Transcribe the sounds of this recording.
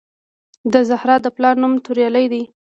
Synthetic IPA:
d̪əzahɾɑd̪əplɑɾnumt̪uɾjɑlajd̪i

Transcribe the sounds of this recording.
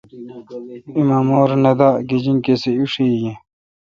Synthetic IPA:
imamoːɾnɐd̪aɡed͡ʑiŋkeseuʂijẽ

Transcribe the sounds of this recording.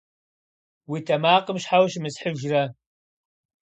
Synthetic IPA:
witʰɐmaːqəmɕħawʃmɨsħɨʒrɐ

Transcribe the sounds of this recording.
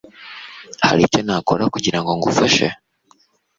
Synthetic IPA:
ha̰ɾico̞naːkoɾakuɟiɾaŋɡo̞ŋɡufaʃḛ

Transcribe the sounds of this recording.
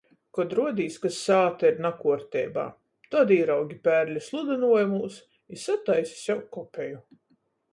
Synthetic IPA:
kɔd̪ɾuɔd̪iːskasːaːt̪aiɾnakuɔɾt̪ʲɛ̰ːba̰ː | t̪ɔd̪iːɾawɡʲipʲæːɾlʲislˠud̪ɨnuɔjmuːs | isat̪ajsʲi̥sʲjawkkːɔpʲɛju

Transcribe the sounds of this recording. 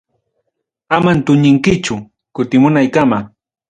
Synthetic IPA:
amant̪ʊɲɪŋkɪt͡ʃʊ | kʊt̪ɪmʊnajkama

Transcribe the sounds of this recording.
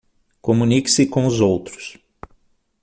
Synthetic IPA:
komunikɪ̥sɪkõʊzowt̪ɾʊ̥s

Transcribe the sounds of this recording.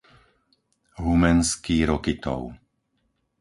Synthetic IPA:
ɦumɛnskiːɾɔkit̪ɔ̰ʊ

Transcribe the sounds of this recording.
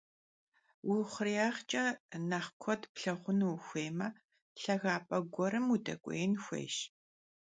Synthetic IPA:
wʊχʷriaːχt͡ʃʼɐnɐχkʷʰɔdpɬɐʁʷʊnuwxʷeːmɐ | ɬɐɣaːpʼɐɡʷɔɾɨmudɐ̰kʷʼḛjɪnxʷḛːʃ

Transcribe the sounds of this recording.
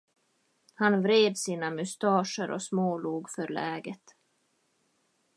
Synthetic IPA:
hanvɾeːd̪siːnamɵst̪ɑːʂəɾʔɔ̰smoːluːɡfœɾɭɛːɡət̪

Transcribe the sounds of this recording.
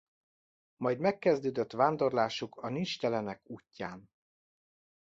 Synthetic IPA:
mɒjd̪mɛkːɛzd̪øːd̪øt̪ʋaːnd̪o̞rlaːʃukʰɒnint͡ʃt̪ɛlɛnɛkuːcːaːn

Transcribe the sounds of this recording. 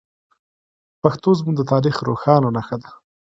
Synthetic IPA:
paxt̪ozmuɡ̚d̪ət̪ɑːɾixɾo̰xɑːnonaxad̪a

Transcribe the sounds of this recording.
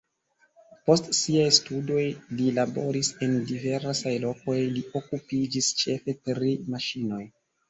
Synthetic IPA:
po̞stsiajstudo̞jlilabo̞ɾise̞ndive̞ɾsajlo̞ko̞jliʔo̞kupid͡ʒist͡ʃe̞fe̞tɾimaʃino̞j

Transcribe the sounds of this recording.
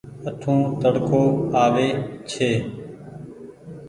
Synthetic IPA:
ət̪ʰũːt̪əɽkoːaːʋeːt͡ʃʰeː

